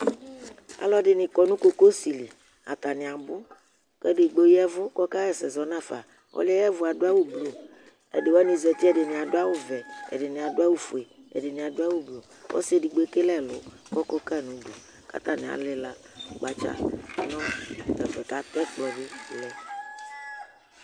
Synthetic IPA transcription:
a̰˨lɔ˦ɖɪ˨nĩ˨kɔ˨nũ˦ko˦ko˦si˨li˨ | a̰˨t̪a˨nĩ˨a˨bʊ˦ | kɛ˦dɪ˨ɡ͡bo˦jɛ˦vʊ˦kɔ˦ka˦ɣɛ˨sɛ˨zɔ˨nã˦˨fa̰˨ | wʔɔ̰˦li˦ɛ˦jɛ˦vʊ˨a˨do˦a˦wo˦blo˨ | ḛ˨de˨wa˦nĩ˨zɛ˨t̪i˦ɛ˦˨dɪ˨nĩ˨a˨do˦a˦wo˦vɛ˨ɛ̰˨dɪ˨nĩ˨a˨do˦a˦wo˦fu˨e˨ɛ̰˨dɪ˨nĩ˨a˨do˦a˦wo˦blo˨ | wɔ̰˦si˦e˨di˨ɡ͡bo˦e˦ke˦lɛ˦lʊ˨˦ | kɔ˦kɔ˦ka˦˨nũ˨do˨ | ka̰˦t̪a˨nĩ˨a̰˨lɪ˦la˨ | ɡ͡ba˨t͡ʃa̰˦nɔ̃˦kɛ˨fɛ˨ka˨t̪ɛ˦k͡plɔ˨dɪ˦˨lɛ˨

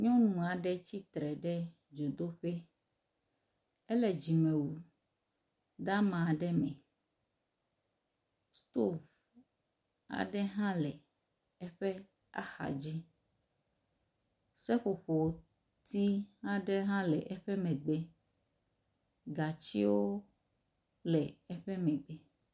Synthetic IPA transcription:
ɲɔ̃˦nũ˨a˨ɖɛ˦t͡ɕi˦t̪ɾɛ˨ɖɛ˦ | d͡ʒo˨d̪o˦ɸe˦ | ɛ˦lɛ˨d͡ʑi˨mẽ˨wu˨ | d̪a˦mã˨ɖɛ˦mɛ̃˨ | st̪o˦˨v | a̰˨ɖɛ˦ɦã˦lɛ˨ | ɛ˦ɸɛ˦ | a̰˦xa̰˨d͡ʑi˦ | sɛ˦ɸo˨ɸo˨ | t̪i˦hã˦ɖɛ˦ɦã˦lɛ˨ʔɛ˦ɸɛ˦mɛ̃˨ɡ͡bɛ˦ | ɡa˨t͡ɕi˦wo˦ | lɛ˨ɛ˦ɸɛ˦mɛ̃˨ɡ͡bɛ˦

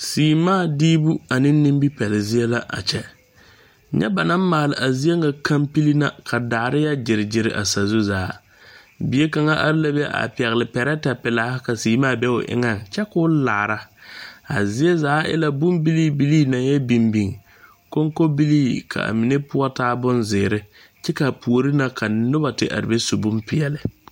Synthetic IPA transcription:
siː˨maː˦˨diː˦bu˦a˨nɪ˦nː˦ɪ˦mbi˦pɛ˨lɪ˨zi˦ɛ˦la˦ʔa̰˨t͡ʃɛ˦ | ɲɛ̰˦ba˨na˦m˦maː˨lɪ˨ʔa˨zi˦e˦ŋa˨kʰa˦mpi˦li˦na̰˦kʰa˨daː˨ɾɪ˦ja˦d͡ʒɪ˨ɾɪ˨d͡ʒɪ˨ɾɪ˨ʔa̰˨sa˨zu˦zaː˨˦ | bi˨˦e˦ka˨ŋa˦ʔa̰˦ɾla˦bɛ˦ʔa̰˨pɛ˨ɣɪ˨lɪ˨pɛ˨ɾɛ˦ta˨pɪ˨laː˨˦ka˨siː˨maː˦˨bɛ˦ʊ̰˨ʔɪ̰˦ŋa˦˨nt͡ʃɛ˦kʊː˦la̰ː˨ɾa˦a˨zi˦e˦zaː˨˦ʔɛ̰˦la˦bʊ˦mbi˦li˦bi˦liː˦na˨n˦jɛ˦bi˨mbi˨ŋ˨ | ko˦ŋko˦bi˦liː˦kʰa̰˨a̰˨mɪ˨ne˦pʊ˦ɔ˦taː˦bʊ˦nzɪː˨ɾɪ˦ | t͡ʃɛ˦ka˨pu˨o˨ɾi˦na˨kʰa˨nʊ˦ba˨tɪ˦ʔa̰˨ɾɪ˨be˦su˨bʊ˦mpɪ˨ɛ˨lɪ˨

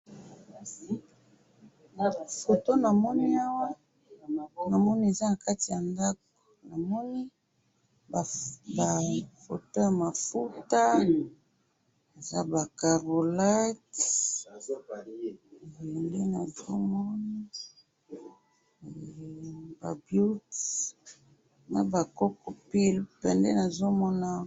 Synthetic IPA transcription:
na˨fo˨to˦na˨mɔ˦ni˦a˦wa˦ | na˨mɔ˦ni˦e˨za˦na˨ka˦ti˨ja˨nda˦k̚ | o̥˨na˨mɔ˦ni˦ | bba˨fo̰˨to˦ja˨ma˨fu˦ta˦ | e˨za˦ba˨ka˨ʁo˨la˦t | nde˦na˨zo˦mɔ˦na˦˨ | ba̰˨bju˦t | na˦ba˨kɔ˦ko˨pi˦lpɛ˨ndɛ˦na˨zo˦mɔ˦na˦

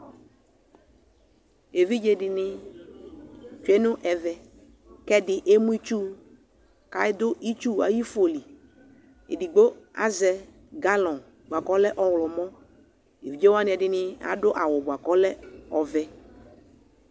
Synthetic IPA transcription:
e˨vi˦d͡ʒe˦dɪ˨nɪ˦ | t͡ʃu˨ɛ˦nʊ̃˦ʔɛ˨vɛ˨ | kɛ˦dɪ˨ʔe˦mũ˦i˦t͡ʃu˦ | ka˨ɪ˦dʊ˦ʔi˦t͡ʃu˦˨a̰˨ji˦fo˨li˨ | ḛ˨di˨ɡ͡bo˦a̰˦zɛ˨ | ɡa˦lɔ̃˨ | bʷa˨kɔ˦lɛ˦ʔɔ˨wlɔ˨mɔ̃˦ | e˨vi˨d͡ʒe˦wa˦n˨ɛ˨dɪ˦nɪ˦a̰˨˦dʊ˦ʔa˨wʊ˨bʊ˨a˨kɔ˦lɛ˦ɔ˨vɛ˨

